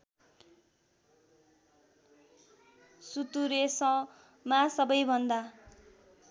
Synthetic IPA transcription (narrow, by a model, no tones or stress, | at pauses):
sut̪uɾesʌ̃ | masʌbʌjbʱʌnd̪a